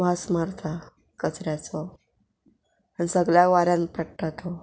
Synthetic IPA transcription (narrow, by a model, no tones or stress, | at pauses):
ʋasmaɾt̪ʰa | kət͡sɾjat͡sɔ | anisəɡɭjaʋaɾjãnpɛʈʈʰat̪ʰo